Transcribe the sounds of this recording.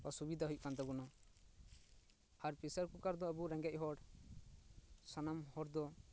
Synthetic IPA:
pasubid̪ʱaɦuj̚kand̪abunɔ | aɾpisaɾkukaɾd̪ɔəbuɾɛŋɡɛc̚ɦɔɽ | sanamhɔɽd̪ɔ

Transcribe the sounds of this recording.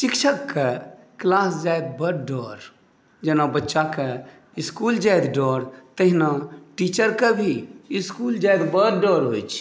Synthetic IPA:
ʃɪkʃʰəkːe | klaːsd͡ʒaːjd̪̚bəɾɖɔːɾ | d͡ʒənabətːʃakə | ɪskuld͡ʒajd̪ɖɔːɾt̪əɦinaʈiːt͡ʃəɾkəbʱiɪskuːld͡ʒaːjd̪bəɾɖɔːɾɦojt͡ʃʰ

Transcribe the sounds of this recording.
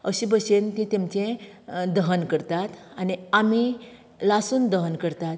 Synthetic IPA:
əɕibəɕent̪ĩt̪emt͡ɕẽd̪əɦənkəɾt̪at̪aniami | lasuːnd̪əɦənkəɾt̪at̪

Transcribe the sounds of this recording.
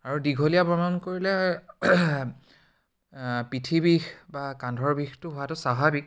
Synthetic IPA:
aɹudiɡʱolijapɹɔmankoɹilɛ | pitʰibixbakandʱɔɹbixtʊɦʊatʊsaɦabik̚

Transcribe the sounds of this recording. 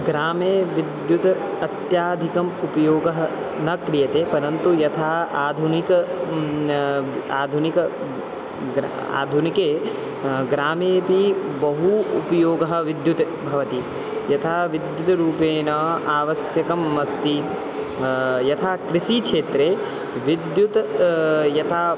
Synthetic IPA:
ɡɾaːmeːʋid̪jut̪ | ɐt̪jaːd̪ʱikɐmupɐjoːɡɐɦɐ | nɐkɾijɐt̪eːpɐɾɐnt̪ujɐt̪ʰaːaːd̪ʱunikɐ | aːd̪ʱunikɐ | ɡ | a̰ːd̪ʱunikeː | ɡɾaːmeːpibɐɦuːpɐjoːɡɐɦɐ̆ʋid̪jut̪ | bʱɐʋɐt̪i | jɐt̪ʰaːʋid̪jut̪ɐɾuːpeːnɐaːʋɐsjɐkɐmːɐst̪i | jɐt̪ʰaːkɾiʃikʂeːt̪ɾeː | ʋid̪jut̪ | jɐt̪ʰaː

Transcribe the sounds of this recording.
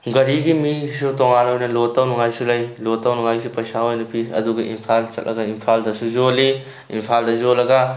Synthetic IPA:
ɡɐɾiɡimisutoŋanojnɐlotːawnuŋajsulɐjlotːɐwnuŋajsupɐjsaɦojnupʰiɐ̰duɡɐʔḭmpʰalt͡ʃɐ̰t̚lɐ̰ɡɐimpʰaldɐsuzoli | ḭmpʰaldɐzolɐɡɐ

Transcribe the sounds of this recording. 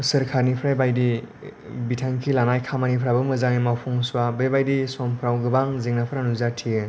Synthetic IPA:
sɯɾkʰaɾnipʰɾajbajdi | bitʰaŋkʰilanajkʰamanipʰɾabɯmɯzaŋnimawpʰɔŋsuwabɯjbajdisɔmpʰɾawɡɯbaŋzeŋnapʰɯɾanuzatʰiɯ

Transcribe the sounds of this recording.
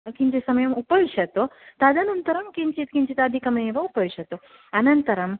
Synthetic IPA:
kiɲd͡ʒesɐməjɐmupɐʋiʂɐt̪ot̪ad̪anɐnt̪əɾɐmkiɲt͡ʃit̪kiɲt͡ʃit̪ad̪ʱikɐmɐeʋaupɐʋiɕɐt̪o | ɐnɐnt̪əɾɐm

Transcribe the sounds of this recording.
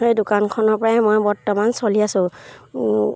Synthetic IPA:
ejdʊkankʰɔnɔɹpɔɹaɛmojbɔɹtɔmansoliasʊ̃

